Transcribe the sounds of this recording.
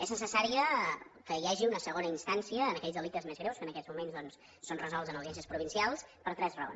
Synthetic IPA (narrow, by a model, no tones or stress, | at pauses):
ɛznəsəsaɾiəkəjaʒiunəsəɣonəinst̪ansiəːnəkɛʎzðəlikt̪əzmezɣɾewskənəkɛzmumenzðɔnsː | onrəzɔlˠtzənəliansəspɾuβinsialˠspəɾt̪ɾɛzrəo̰ns